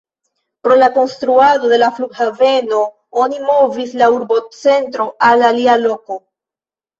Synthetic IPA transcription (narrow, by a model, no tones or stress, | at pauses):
pɾo̞lako̞nstɾuado̞de̞lafluɡhave̞no̞ | onimo̞vislauɾbo̞t͡se̞ntɾo̞alalialo̞ko̞